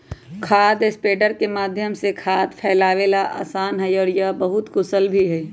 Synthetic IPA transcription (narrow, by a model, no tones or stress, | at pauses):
kʰaːd̪espeːɖəɾkemaːd̪ʱjəmsekʰaːd̪pʰɛːlaːʋelaʔa̰ːsaːnɦɛjɔːɾjabəɦʊt̪kʊsəlbʱiɦɛ